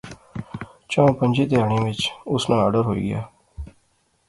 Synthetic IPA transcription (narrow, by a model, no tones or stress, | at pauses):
t͡ʃãːpəɲd͡ʒeːt̪ɪaːɳ̃ẽːʋɪt͡ʃʊsnãːəɖəɾɦoːḭːɡɪja̰ː